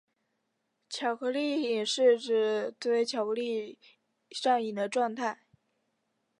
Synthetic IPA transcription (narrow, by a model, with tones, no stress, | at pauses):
t͡ɕʰjɑ˨˩ʊxɤ˧˥li˥˩i˨˩ŋʂɻ̩˥˩ʈ͡ʂɻ̩˨˩t̪we˥˩˧ɪ˥t͡ɕʰjɑ˨˩ʊpu˧˥li˥˧ | ʂɑ˥˩ŋi˨˩d̪ə˦ʈ͡ʂwɑ˥˧ŋt̪ʰa˥˩ɪ